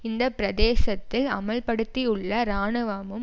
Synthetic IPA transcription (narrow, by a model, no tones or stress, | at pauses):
ɪnd̪ɐpɪɾɐðeːsɐt̪ːɪlɐ̰mɐɭpɐɽɯt̪ːiʊɭːɐɾaːnɐʋaːmɯm